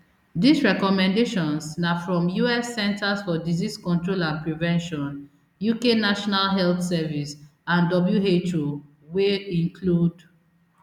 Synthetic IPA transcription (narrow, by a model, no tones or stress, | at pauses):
d̪isɹɛkɔmɛ̃ndeʃɔ̃nsnafɹɔ̃mjuɛsːɛ̃ntasfɔdiziskɔ̃ntɹolãpɹivɛ̃nʃɔ̃n | jukenaʃɔnalɦɛlθsɛvis | ãndɔbljuɦet͡ʃo | weĩŋkʰlud